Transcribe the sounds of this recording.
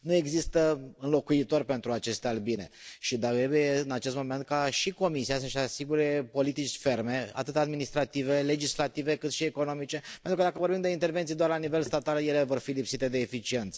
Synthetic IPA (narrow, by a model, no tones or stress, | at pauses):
nue̞ɡzist̪əɨnlo̞kuit̪o̞rʲpe̞nt̪ɾuat͡ʃe̞st̪ealbine̞̰ʃid̪aɾebujeɨnat͡ʃe̞st̪mo̞me̞nt̪̚kaʃiko̞misiasəʃasiɡuɾe̞po̞lit̪it͡ʃʲfe̞rme̞a̰t̪ɨt̪ad̪minist̪ɾat̪ive̞le̞d͡ʒislat̪ive̞kɨt̪ʃieko̞no̞mit͡ʃe̞pent̪ɾukəd̪akəvo̞ɾbimd̪eint̪e̞rve̞nt̪sid̪oarlanive̞lst̪at̪alje̞le̞vo̞rfilipsit̪e̞d̪e̞ːfit͡ʃie̞nt̪sə̥